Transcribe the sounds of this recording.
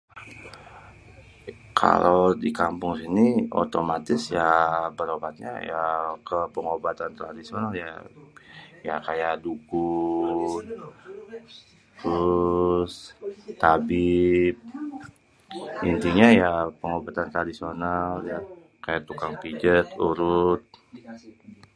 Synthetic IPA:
kʰa̰lowdikampʊŋsinio̰t̪omat̪ɪsjabəɾobat̪̚ɲa̰jakəpəŋobat̪ant̪ɾadisionalja̰ | jakajaʔdukʊ | t̪ɾʊst̪abip̚ | int̪iɲajapəŋobat̪ant̪ɾadisionalja | kajaʔt̪ukaŋpid͡ʒət̪ṵɾʊt̪̚

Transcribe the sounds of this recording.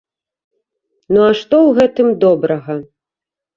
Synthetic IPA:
nuaʂt̪ɔwɣɛt̪ɨmd̪ɔbɾɐɣɐ

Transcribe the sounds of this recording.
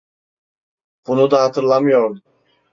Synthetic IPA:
b̥unud̪ahɑt̪ʰɯɾlˠamɯjoɾ

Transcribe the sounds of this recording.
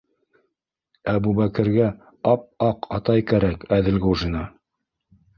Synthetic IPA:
æbubækɘ̆ɾɡæ | ɑp̚ɑqɑt̪ɑjkæɾækæðɘ̆lɡuʒinɑ

